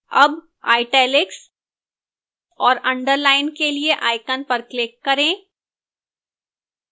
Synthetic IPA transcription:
ɐb | a̰ːɪʈɛːlɪks | ɔːɾɐ̃ɳɖəɾlaːɪnkelieʔaːɪkənpɐɾklɪkːɐɾẽː

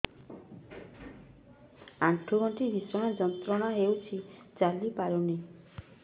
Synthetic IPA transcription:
aʈʰːuɡɔɳʈibʱisɔɽ̃ad͡ʒɔnt̪ɾɔɽ̃aɦewt͡ʃʰit͡ʃalipaɾone

